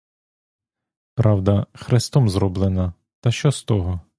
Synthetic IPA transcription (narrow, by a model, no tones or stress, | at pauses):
pɾɑwd̪ɐxɾest̪ɔmzɾɔblˠɪnɐ | t̪ɐʃt͡ʃɔst̪ɔɦɔ